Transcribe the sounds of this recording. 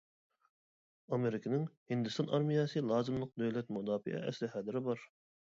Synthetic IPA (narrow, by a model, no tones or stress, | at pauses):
ɑmeɾɪkʰʲɪnɪŋhɪnd̪ɪst̪ɑnʔɑɾmijɑsɨlˠɑːzɨmlˠəq̚d̪øwlɛt̪mud̪ɑːfɪ̰ʔɛ̰ɛslɪhɑːd̪ɪɾɪbɑɾ